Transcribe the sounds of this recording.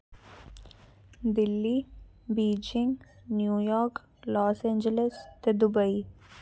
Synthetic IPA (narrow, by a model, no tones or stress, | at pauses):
d̪ɪlːi | biːd͡ʒɪ̃ŋɡnjuːjɔːɾk | lɔːsẽːɲd͡ʒelest̪ed̪ʊbəi